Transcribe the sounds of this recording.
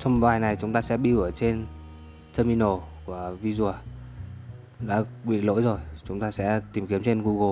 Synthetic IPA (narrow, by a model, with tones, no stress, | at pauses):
t͡ɕɔ˧wŋ͡mɓaː˨˩jna˨˩jt͡ɕʊ˨˦ŋ͡mt̪aː˧sɛ̰˧˥ɓi˧wu˧˩ət͡ɕe˧n | t̪ʰəː˧mi˧no˨˩ku˧˩əvi˧zu˨˩ə | ɗa̰ː˧˥ɓḭ˧˨lo̰˧˥jzo˨˩jt͡ɕʊ˨˦ŋ͡mt̪aː˧sɛ̰˧˥t̪i˨˩mki˨˦əmt͡ɕe˧nɣu˧ɣo˧˩